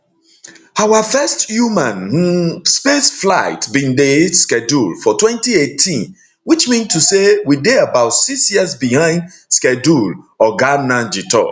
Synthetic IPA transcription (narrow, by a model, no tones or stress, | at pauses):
awəfɛstjumãnhuspesflaɪtbĩndeskɛdulfɔtwɛ̃ntietʰĩn | wit͡ʃmĩntusewideabaʊtsiksjiəsbihãɪ̃nd | skɛd͡ʒulɔɡanãnd͡ʒitɔ̰